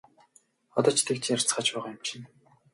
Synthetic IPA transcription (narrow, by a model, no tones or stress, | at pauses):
ɔ̰t̪ɔːt͡ɕʰt̪ʰekt͡ɕ̆ʰar̥t͡sχaːt͡ɕpæːʁaːjʊmt͡ɕɪ̆n